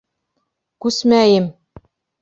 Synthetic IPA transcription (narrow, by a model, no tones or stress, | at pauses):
kʉsmæjɘm